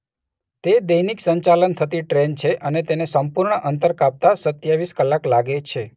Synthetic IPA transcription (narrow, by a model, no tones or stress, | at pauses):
t̪ed̪əjniksəɲt͡ʃalənt̪ʰət̪iʈɾent͡ʃʰeʔənet̪enesəmpuɾɳəʔənt̪əɾkap̚t̪asət̪jaʋiskəlːaklaɡet͡ʃʰe